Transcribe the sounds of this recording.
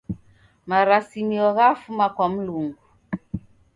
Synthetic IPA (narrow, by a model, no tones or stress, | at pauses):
maɾasimiɔɣafumakɔm̩luŋɡu